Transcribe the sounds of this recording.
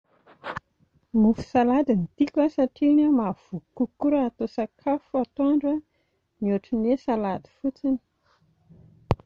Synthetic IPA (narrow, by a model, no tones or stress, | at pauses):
mufu̥salad̪init̪ikʲəsaʈ͡ʂinəmav̥ukukuɾəːt̪osakʰafuat̪oaɳɖ͡ʐə | miuʈ͡ʂinesalad̪i̥fut͡sini̥